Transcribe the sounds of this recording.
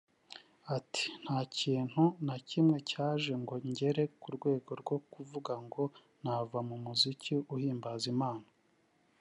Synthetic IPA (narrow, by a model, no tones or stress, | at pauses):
ati̥n̥haːciːn̥hunacimŋe̞caːʒe̞ŋɡo̞ɲɟe̞ɾe̞kuɾɡwe̞ːɡo̞ɾɡo̞kuvuɡaŋɡo̞ | navamumuziciuhiːmbazimaːna